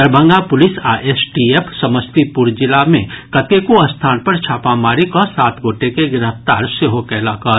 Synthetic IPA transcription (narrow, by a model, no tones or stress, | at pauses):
əɾbʱə̃ŋɡapʊlɪsaːʔesʈiepʰsɐməst̪ipʊɾd͡ʒɪlamḛ̃kɐt̪ekoɐst̪ʰaːnpɐɾt͡ʃʰaːpamaːɾikɔsaːt̪ɡʱoːʈekeɡɪɾəft̪a̰ːɾseɦokɛːlakə